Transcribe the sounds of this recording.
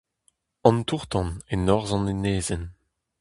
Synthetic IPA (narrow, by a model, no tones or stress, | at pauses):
ɑ̃nt̪uʁt̪ɑ̃nenɔʁzɑ̃neneːzɛn